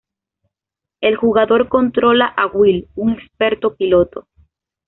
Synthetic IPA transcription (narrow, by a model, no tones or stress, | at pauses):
e̞lxuɣaðo̞ɾko̞nt̪ɾo̞laʔaɣwiluŋe̞kspe̞ɾt̪o̞pilo̞t̪o̞